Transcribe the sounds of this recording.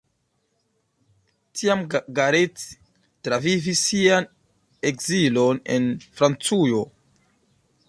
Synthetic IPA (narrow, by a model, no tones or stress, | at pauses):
tʰiamɡaɾet | tɾavivisːian | ekzilo̞ne̞̰nfɾant͡sujo̞